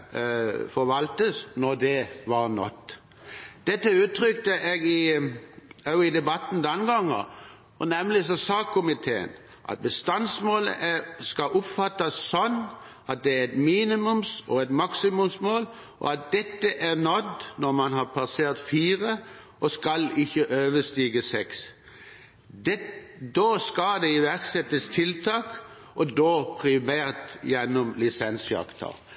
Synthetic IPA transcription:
fɔɾʋɑlt̪əsnɔd̪ɛʋɑɾnɔ̰t̪ː | d̪̥ɛt̪ːəʉːt̪ʰɾʏkt̪əʔeːɡɪ | ɑɪd̪ɛbɑt̪ːn̩d̪ɛnɡɑŋːɑ̰ | ɔnɛmlɪsɔsɑːkkʰʊmɪt̪ʰeːə̰n | ʔɑ̰t̪̚bəst̪ɑnsmoːlə̰ʔæskɑʔʊpfɑt̪ːɑsːɔnː | ɑt̪̚d̪ɛæɾɛt̪miːnɪmʉmsɔɛt̪mɑksɪmʉmsmoːl | ʔɔ̰ɑt̪̚d̪ɛt̪ːəʔæɾnɔd̪nɔɾmɑnɦɑɾpʰɑseːɾt̪fiːɾə | ʔɔskɑlɪçːəʔøːʋəst̪iːɡəsɛks | d̪ɛd̪oskɑld̪ɛɪʋæɾksɛt̪ːəst̪ʰɪlt̪ʰɑːk | ʔɔd̪oːpʰɾɪmæːɾt̪jɛnːɔmlɪsɛnsjɑ̰kt̪ʰə̰ɾ

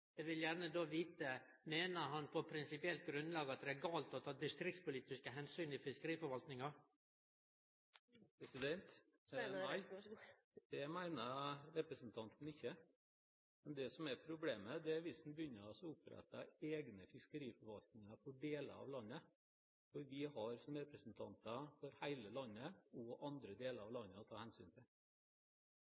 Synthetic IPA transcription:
ɛʋɪljæɾnəd̪oːʋiːt̪ə | meːnəɦɑnpʰɔpʰɾɪnsɪpɪɛlt̪̚ɡɾʉnd̪lɑːɡəɑt̪̚d̪ɛæɡɑːlt̪ɔt̪ʰɑːd̪ɪst̪ɾɪk̚t̪spʊliːt̪ɪskəɦɛnsyːnɪfɪskəɾiːfɔɾʋɑlt̪nɪŋɑ | pɾɛsɪd̪ɛnt̪ | ɪ | d̪ɛmæɪnəɾɾɛpɾəsnt̪ʰɑnt̪n̩ɪçːə | mɛnd̪ɛsɔmæɾpʰɾʊbleːməd̪ɛæɾʋɪsn̩bəjʏnːəɾɑsɔʊpɾɛ̰t̪ːəeːɡnəfɪskəɾiːfɔɾʋɑlt̪nɪŋɑɾfɔɖeːlə̰ɑ̰ʋlɑnːə | fɔɾʋɪɦɑɾsɔmɾɛpɾəsnt̪ʰɑnt̪əfɔɾhæɪləlɑnːəɔʔɑnd̪ɾəd̪eːləɾɑʋlɑnːəɔt̪ʰɑːhɛnsyːnt̪ʰɪl

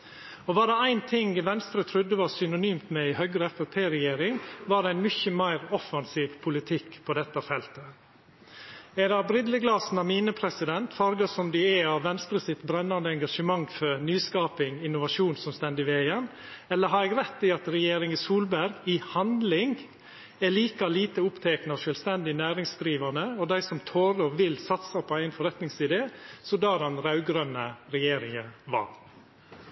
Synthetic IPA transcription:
ɔʋɑːɖɛæɪnt̪ʰɪŋʋɛnst̪ɾət̪ʰɾʉd̪ːəʋɑɾsʏnʊnyːmt̪mɛɪhœɡɾəɛfɛpʰeːɾɛjeːɾɪŋʋɑːɖɛæɪnmʏçəmæɪɾɔfɑnsiːʋpʰʊlɪt̪ʰɪkːpʰɔd̪ɛt̪ːɑfɛlt̪ə | ɛd̪ɛɑbɾɪd̪ləɡlɑːsn̩ɑmiːnəpʰɾɛsɪd̪ɛnt̪fɑɾɡɑsɔmd̪ɪɛɑʋʋːɛnst̪ɾəsɪt̪bɾɛnːɑnd̪əɛŋɡɑʂəmɑŋfɔɾnyːskɑːpɪŋɪnʊʋɑʂuːnsɔmst̪ɛnd̪ɪʋeːɪən | ɛlːəɦɑɾɛɡɾɛt̪ːɪɑt̪ɾɛjeːɾɪŋɪsuːlbæɾɡɪhɑnd̪lɪŋ | æliːkɑliːt̪əʊpt̪ʰɛːknɔʂœlst̪ɛnd̪ɪnæːɾɪŋsd̪ɾiːʋɑnəɔd̪æɪsɔmt̪ʰoːɾɔʋɪlsɑt̪sɑpʰɔæɪnfɔɾɛt̪nɪŋsɪd̪eːsɔd̪ɑːd̪ɛnɾɑʉɡɾœnːəɾɛjeːɾɪŋəʋɑ̰ɾ

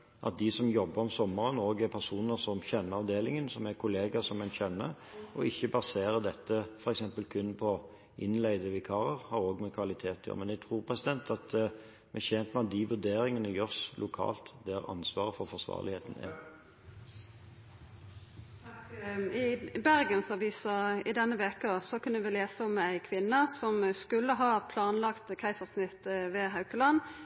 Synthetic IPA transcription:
ʔɑ̰t̪̚d̪ɪsɔmjɔbːəɾɔmsɔmːəɾənoːɡæpʰæʁsuːnəʁsɔmçɛnːəɑʋd̪eːlɪŋənsɔmækʰʊleːɡɑsɔmɛnçɛnːə | ʔɔɪçːəbɑseːɾəd̪ɛt̪ːəfɔɾɛksɛmpəlkʰʉnpʰɔ | ʔɪnlæɪd̪əʋɪkʰɑːɾəʁhɑɾoːɡmɛkʰʋɑlɪt̪ʰeːt̪ʰɪɔ̰mɛnd̪æɡt̪ʰʁɾuːɾpʰʁɛsɪd̪ɛnt̪ʰɑt̪ | mɛçɛnt̪mɛɑt̪̚d̪ɪʋʉɾd̪eːɾɪŋənəjøːʁslʊkʰɑ̰ːlt̪d̪æʁɑ̰nsʋɑːʁəfɔʁfɔʁsʋɑ̰ːʁlɪheːt̪n̩ɛ̰ | ɪbæʁɡənsɑʋiːsɑɪd̪ɛnːəʋeːkəsɔkʰʉnːəʋɪleːsəɔmæɪkʰʋɪnːəsɔmskʉlːəɦɑːpʰlɑːnlɑkt̪kʰæɪsɑʁsnɪt̪ːʋɛːɦɑʉkəlɑn

